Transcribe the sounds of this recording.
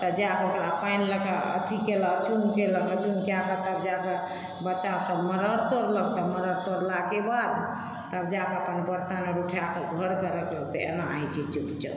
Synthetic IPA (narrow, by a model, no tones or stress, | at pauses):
t̪əd͡ʒakokɾapʰainləkeə̰t̪ʰikelət͡ʃuŋkeləkət͡ʃuŋkejakət̪əbd͡ʒake | bətːʃasəbməɾəɾt̪oɾlək̚t̪əməɾəɾt̪oɾlakebad̪ | t̪əbd͡ʒakəpənbəɾt̪aneɾuʈʰakeɡʱəɾkəɾəkləɡt̪ə̰ḛnaa̰jt͡ʃʰit͡ʃupt͡ʃə̰